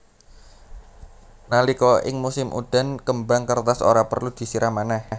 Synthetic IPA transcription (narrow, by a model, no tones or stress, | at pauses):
nalikɔʔɪ̰ŋmusɪmʔṵd̪̥a̤nkəmbaŋkərt̪aso̰ɾapərlud̪̥i̤siɾʔamanah